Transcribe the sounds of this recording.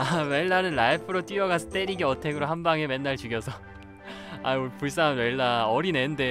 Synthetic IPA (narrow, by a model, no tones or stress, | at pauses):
aweɭːanɯnlaipʰɯɾot͈ɥiʌɡasʰʌ̥t͈eɾiɡiʌtʰe̞ɡɯɾoɦambaŋe̞me̞nːaɭt͡ɕuɡjʌsʰʌ | a̰uɭpuɭs͈anweɭːaʌɾine̞nde̞